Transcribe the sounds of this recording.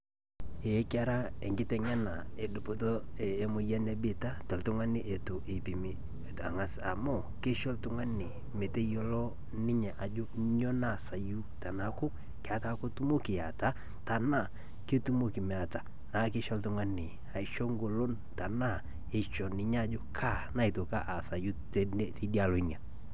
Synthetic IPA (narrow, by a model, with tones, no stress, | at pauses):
e˨˦ka˦ɾa˦e˨ŋɡɪ˦tɛ˨ɲɛ˦na˨e˨dʊ˨po˨toː˦˨˦mʊ˦ja˦ne˨˦bɪ˦ta˦tɔ˨ltʊ˦ŋa˦nɪ˦ʔe˨to˨ʔe˨pi˨mi˨ | a̰˨ŋa˨sa̰˨mɔ˦˨ | ke˦ʃɔ˦ltʊ˦ŋa˦nɪ˨ | me˨te˦jɔ˦lɔ˦ | nɪ˦ɲɛ˨ʔa˨d͡ʒo˦ɲɔ˦na˦˨sa˨ju˦ta˨na˨kʊ˦ | kɪ˨a˨ta˦ko˦tu˦mo˦kɪ˨a˨ta˦ | ta˨na˦˨ | ke˦tu˦mo˦kɪ˨mɛ˨a˨ta˨ | na˨˦kɪ˦ʃɔ˦ltʊ˦ŋa˦nɪ˨ | a˨ɪ˨ʃɔ˦ŋɡo˨lo˦n | ta˨na˦˨ | e˨ʃɔ˨nɪ˨ɲa˦˨˦d͡ʒo˦kʰa˦˨na˦i˨to˨ka˦ʔa˨sa˨ju˦te˦di˦a˦lo˨˦i˦na˨